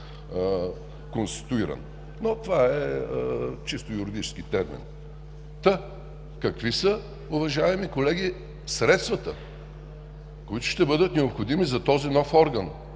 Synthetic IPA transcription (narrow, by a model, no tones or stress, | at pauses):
konst̪i̥t̪ʊiɾə̰n | not̪ovaɛ | t͡ʃist̪ʊjʊɾid̪it͡ʃɛ̥skit̪ɛɾmḭn | t̪ə | kɐkvisə | ʊvɐʒaɛmikolɛɡʲi | sɾɛt̪st̪vɐt̪ə | koit̪ʊ̥ʃt̪ɛbɤd̪ət̪nɛopxod̪imizɐt̪ɔzinɔfɔɾɡən